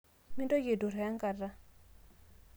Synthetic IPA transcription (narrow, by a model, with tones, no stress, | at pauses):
mi˦ndo˦je˨du˨ɾɛ˨a˦ŋka˨da˦